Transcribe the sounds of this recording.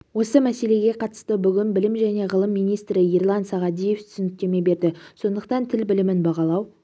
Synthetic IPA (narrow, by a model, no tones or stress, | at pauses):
wo̞səmæse̞le̞ɡʲe̞qʰɑt̪ə̥st̪əbʏɡʲɪnbɪlɪmʒæne̞ʁəlˠəmːijnijst̪ɾɪirlˠɑnsɑʁɑd̪ije̞ft̪ʰʏ̥sɪnɪk̚ʲt̪e̞me̞be̞ɾd̪ɪso̞nd̪əq̚t̪ɑnt̪ʰɪlbɪlɪmɪnbɑʁɑlˠɑw